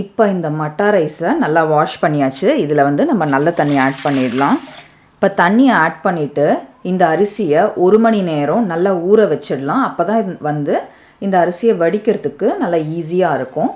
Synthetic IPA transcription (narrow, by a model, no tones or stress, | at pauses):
ɪpːoːɪnd̪ɐmɐʈːaːɾɐɪsɐnɐlːaːʋaːʂpɐɳːɪjaːt͡ʃːɯɪðɪlɐʋɐnd̪ɯnɐmːɐnɐlːɐt̪ɐɳːɪjaːʈ̚pɐɳːɪɽlãː | ɪpːoːt̪ɐɳːɪjɐaːʈ̚pɐɳːɪʈːɯɪnd̪ɐːɾɯsɪjɐʔɔɾɯmɐɳineːɾʊ̃nɐlːaːuːɾɐʋɛt͡ʃːɪɽɯlãːɐpːoːt̪ãːʋɐnd̪ɯ | ɪnd̪ɐːɾɯsɪjɐʋɐɽɪkːɪɾɐðɯkːɯnɐlːaiːs̬ɪjaːɪɾɯkːʊ̃